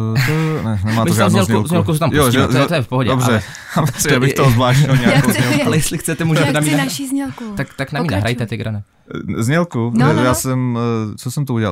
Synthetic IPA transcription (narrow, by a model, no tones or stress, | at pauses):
t̪onɛnɛmaːmɪzoʒazɲɛlzuzɲɛlkusɛt̪amjosɛt̪ojɛfpoɦoɟɛdobrɛ | sabɪxozvlaːʃɪlɲaaozɛalɛjɛslɪxt͡sɛt̪ɛmuːʒɛt̪ɛnaminaʃizɲɛlkut̪akt̪aknammiːna̰ɦɾajt̪ɛt̪ɪɡɾanɛ | zɲɛlkuɛjaːsɛmt͡sosɛmt̪ouɟɛla̰